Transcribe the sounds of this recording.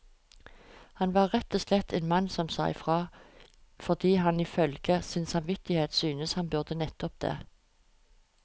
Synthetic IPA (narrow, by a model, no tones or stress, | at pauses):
hɑnʋɑːʁʁɛt̪ːɔslɛt̪ʰeːnmɑnsɔmsæ̰ɪfʁɑː | fɔʁd̪iːɦɑniːfœlɡəsɪnsɑmʋɪt̪ɪheːt̪syːnəshɑnbʉʁd̪ənɛt̪ɔp̚d̪̥ḛː